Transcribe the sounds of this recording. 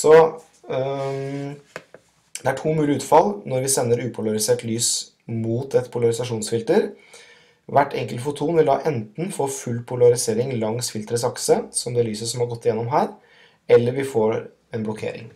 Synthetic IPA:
sɔ | d̪ɛæʈʰuːmʉːlɪʉːt̪fɑlnɔɾʋɪsɛnːəɾʉːpʰʊlɑɾɪseːʈlyːs | muːt̪ʰɛt̪pʰʊlɑɾɪsɑʂuːnsfɪlt̪əɾ | ʋæʈʰːɛŋkəlt̪fʊt̪ʰuːnʋɪld̪ɑ̰ːʔɛnt̪n̩foːfʉlːpʰʊlɑɾɪseːɾɪŋlɑŋsfɪlt̪ɾəsɑksəsɔmd̪ɛːlyːsəsɔmhɑɾɡɔt̪ːɪjɛnːɔmɦæːɾ | ɛlːəɾʋɪfoːɾ | ɛnblɔkʰḛːɾɪ̰ŋ

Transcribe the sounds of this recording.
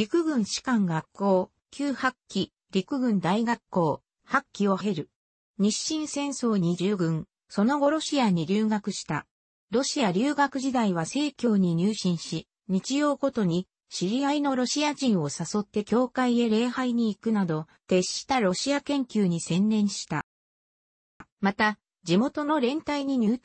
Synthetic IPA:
ɾʲikɯ̟ɡɯ̟̃ɰ̃ɕi̥kãŋɡakʰːo̞ː | kʲɨːhakʲːi | ɾʲikɯ̟ɡɯ̟̃nd̪aiɡakːo̞ː | hakʲːio̞ɦe̞ɾɯ̟ | ɲ̟iɕːĩɰ̃sẽ̞ɰ̃so̞ːɲ̟id͡ʑɨːɡɯ̟̃ŋ | so̞no̞ɡo̞ɾo̞ɕiaɲ̟iɾʲɨːɡakɯ̟ɕi̥t̪a | ɾo̞ɕiaɾʲɨːɡakɯ̟ʑid̪aiβase̞ːkʲo̞ːɲ̟iɲ̟ɨːɕĩɰ̃ɕi | ɲ̟it͡ɕijo̞ːɡo̞t̪o̞ɲ̟i | ɕiɾʲiaino̞ɾo̞ɕiaʑĩɰ̃o̞saso̞t̪ːe̞kʲo̞ːkaie̞ɾe̞ːhaiɲ̟iːkɯ̟nad̪o̞ | t̪e̞ɕːi̥t̪aɾo̞ɕiakẽ̞ŋkʲɨːɲ̟isẽ̞nːẽ̞ɰ̃ɕi̥t̪a | mat̪a | d͡ʑimo̞t̪o̞no̞ɾẽ̞nt̪aiɲ̟iɲɨː

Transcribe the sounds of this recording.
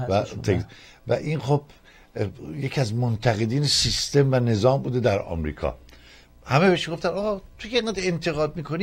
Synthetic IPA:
væt̪ʰek | væ̰ʔinxob̥ | jecʰiæzmont̪ʰæɣe̞d̪iːnesist̪e̞mvæne̞zɒːmbuːd̪ed̪æɾɒ̰ːmɾḭːkʰɒ̰ | hæmebeʃɡoft̪ænɒːɣɒːt̪ʰokeeŋɡæːd̪ent̪ʰe̞ɣɒːd̪̚miːkʰo̞ni

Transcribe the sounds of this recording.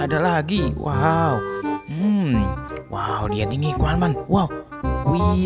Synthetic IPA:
adalaɦɡiwa̰w̩ | wʔawdiadinikuanmanwaw | wi

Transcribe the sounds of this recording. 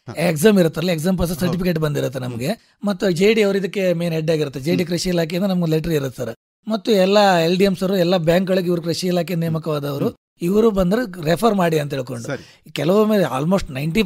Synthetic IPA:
ekzaːmiɾut̪ːeɐɾɐliekz̬aːmpɐs̬ɐsɐɾʈ̬ipikeːʈ̬bɐnd̪iɾut̪ːenɐmɐɡe | mɐt̪ːud͡ʒeːɖiɐʋɐɾuid̪ɐkːe̞meːneɖːaːɡiɾut̪ʰːed͡ʒeːɖik̬ɾɐʃiilaːk̬ejɐnd̪ɐnɐmɐɡuleʈɐɾiiɾut̪ːɐɾe | mɐt̪ːuɛlːɐelʈijemsɐɾuɛlːɐbjaːŋkɡɐɭuɡiʋɐɾukɾɐʃiilaːk̬enejːɐmɐkɐʋaːd̪ɐʋɐɾu | iʋɐɾubɐnd̪ɐɾeɾepʰɐɾmaːɽiɐnt̪ɐɦeːɭko̞ɳɖu | kɛlɐʋumeːlea̰ːlmoʂʈnɐjɳʈi

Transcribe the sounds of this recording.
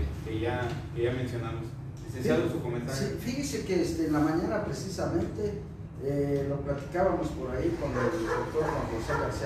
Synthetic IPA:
est̪eʝakʝamensjo̞namos | esesalosukomẽnt̪asɾifixense̞keest̪enlamãɲanapɾesisamẽ̞nt̪e̞ | eloplat̪i̥kaβamo̞spo̞ɾaikwand̪oeld̪ok̚t̪oɾkamd̪osakals

